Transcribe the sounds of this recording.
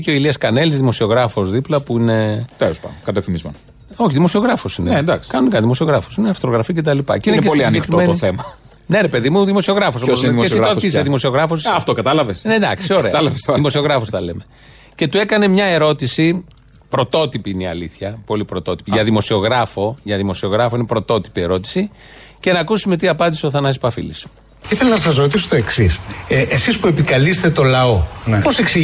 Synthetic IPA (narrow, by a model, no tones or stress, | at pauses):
iceoiliɐskɐnelizðimo̞sio̞ɣɾɐfo̞zðiplɐpuine̞t̪eospɐ̰kɐt̪efθimizmḛn | o̞çiðimo̞sio̞ɣɾɐfosinend̪ɐksi̥kɐnunekɐnðimo̞sio̞ɣɾɐfo̥sineɐɾst̪ɾo̞ɣɾɐficet̪̬ɐlipɐ̰ceinncesolisɐneximenoiθemɐ | ne̞ɾe̞pe̞ðimuðimo̞sio̞ɣɾɐfosoosimesiɾoiseðimosio̞ɣɾɐfosɐft̪okɐt̪ɐlɐvesnend̪ɐksioɾeɐɐlɐvesðimo̞sio̞ɣɾɐfost̪ɐle̞me̞ | ce̞t̪ue̞kɐne̞mɲɐe̞ɾo̞t̪isi | pɾo̞t̪o̞t̪ipiineiɐ̰liθçɐpo̞lipɾo̞t̪o̞t̪i̥piʝɐðimo̞sio̞ɣɾɐfo̞ʝɐðimo̞sio̞ɣɾɐfoinepɾo̞t̪o̞t̪i̥pie̞ɾo̞t̪i̥si | ce̞nɐkusimet̪̬iɐpɐnd̪iseoθɐnɐspɐfḭlis | iθelonɐsɐz̬ɾot̪̬isot̪oeksisʔesispue̞pikɐlist̪et̪o̞lɐoposeksi